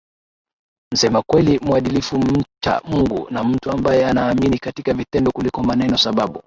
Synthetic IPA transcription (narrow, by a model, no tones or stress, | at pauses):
n̩sɛmakwɛlimwaɗilifum̩t͡ʃa̰muŋɡṵnam̩tuambajɛanaːminikatikavitɛndɔkulikɔmanɛnɔsaɓaɓu